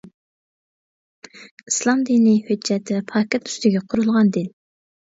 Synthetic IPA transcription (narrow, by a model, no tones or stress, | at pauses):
islˠɑmd̪inihød͡ʒːɛt̪ʰːɛpʰɑːkʲʰɛt̪y̥st̪ɪɡʲɛqʰʊɾulˠʁɑnd̪ɪn